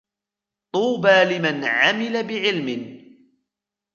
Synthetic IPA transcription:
t̪ˤuːbaːlɪmanʕamɪlabɪʕɪlmɪn

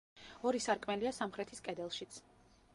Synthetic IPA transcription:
ɔɾisaɾkʼmɛliasamχɾɛt̪ʰiskʼɛd̪ɛlˠʃit̪sʰ

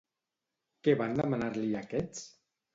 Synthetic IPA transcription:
keβand̪əmanaɾliakɛt͡s

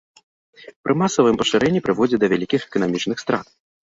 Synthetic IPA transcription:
pɾʔɨmasɐvɨmpɐʂɨɾʔɛnʲːipɾɨvɔd͡zʲɛd̪ɐvʲalʲikʲixɛ̥kɐnamʲit͡ʂnɨxst̪ɾat̪̚

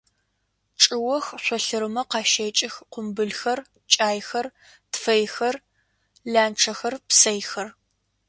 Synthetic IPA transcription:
ʈ͡ʂʼɪwɔxɕʷɔɬɨɾɨmɐqɑːʃeːt͡ʃʼɪxqʷʊmbɨɮxɐr | t͡ʃʼaːjxɐr | tfɐjxɐr | ɮaːnʈ͡ʂʰɐxɐrpsɐjxɐr

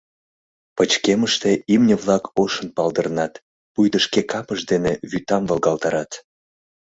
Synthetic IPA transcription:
pət͡ɕkeməʃt̪eimnʲəβlˠɑkoʃənpɑld̪ərnɑt̪ | pujd̪əʃkekɑpəʃd̪eneβyt̪ɑmvəlˠɣɑlt̪ɑɾɑt̪

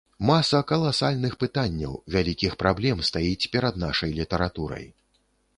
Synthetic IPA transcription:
masɐkɐlˠasalʲnɨxpɨt̪anʲːɐ̰wvʲalʲikʲixpɾablʲɛmst̪ajit͡sʲpʲɛɾɐd̪naʂɐjlʲit̪ɐɾat̪uɾɐ̰j

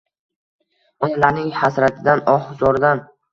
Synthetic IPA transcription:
ɒj̪alaɾnɪŋhasɾat̪ʰɪd̪anɒhzɒɾd̪an

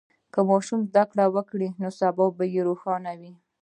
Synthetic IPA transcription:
kəmɑʃumzd̪akɽawəkɽinosabɑbajeɾoxɑnawi

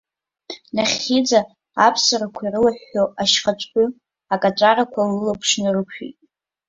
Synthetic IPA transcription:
naχʲːid͡za | apʰsɨɾakʷʰairɨlaħᶣːoaʃχat͡ʃʷʼkʲʷʼʊ | akʼat͡ʃʷʼarakʷʰalɨlapʰʂnɨrɨkʰᶣḭtʼ

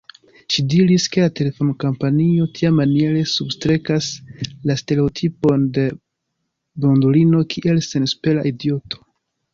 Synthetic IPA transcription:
ʃidiɾiske̞late̞le̞fo̞nkompanio̞tʰiamːanie̞ɾe̞substɾe̞kaslaste̞ɾe̞otʰipo̞nde̞ | bondulino̞kʰiʔe̞lse̞nspe̞laʔidio̞tʰo̥

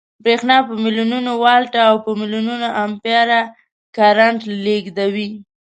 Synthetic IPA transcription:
bɾexnɑpəmilununowɑlʈaːwpəmɪlununoʔampjɑɾa | kaɾaɳʈleɡd̪awi

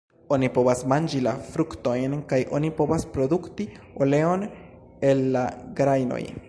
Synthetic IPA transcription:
o̞nipo̞βasmand͡ʒilafɾukto̞jnkajʔo̞̰nipo̞vaspɾo̞d̪ukti | ole̞o̞n | e̞lːaɡɾajno̰j

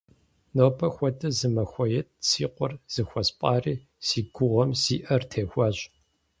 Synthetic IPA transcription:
noːpʰɐxʷɔtʰʼɐzɨmɐxʷɔjɛt̚siːqʷɔrz̥ɨxʷɔspʼɑːriː | siːɡʷʊʁʷɔmsiːʔɐrtʰeːxʷɑːɕ

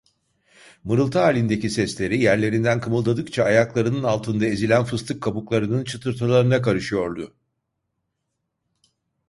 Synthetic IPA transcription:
mɯɾɯlˠt̪ʰaaːlʲind̪e̞cisɛslʲe̞ɾijæɾlʲe̞ɾind̪ænkʰɯmɯlˠd̪ad̪ɯkt͡ʃʰaːjaklˠaɾɯnɯnalˠt̪ʰɯnd̪aezilʲænfɯst̪ʰɯkʰːabuklˠaɾɯnɯnt͡ʃʰɯt̪ʰɯɾt̪ʰalˠaɾɯnakaɾɯʃɯjo̞ɾd̪ʊ

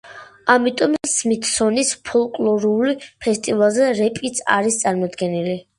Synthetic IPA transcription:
amit̪ʼɔmsmit̪ʰsɔnispʰɔlˠkʼlˠɔɾulipʰɛst̪ʼivalˠzɛɾɛpʼit̪sʰa̰ɾist̪sʼaɾmɔd̪ɡɛnili

